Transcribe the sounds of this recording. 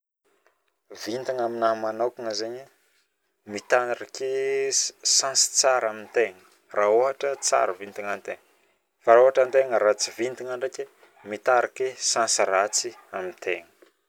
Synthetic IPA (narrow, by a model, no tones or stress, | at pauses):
vint̪iŋaminamanakiŋəzeɲ | mit̪anrake | sãnsi̥t͡saɾamint̪eŋə | raoɦaʈ͡ʂət͡sa̰ɾəvint̪iŋant̪eŋə | faɾaoɦaʈ͡ʂant̪eŋəɾat͡sivint̪iŋaɳɖ͡ʐakʲe | mit̪aɾakʲesansirat͡siamint̪eŋə̥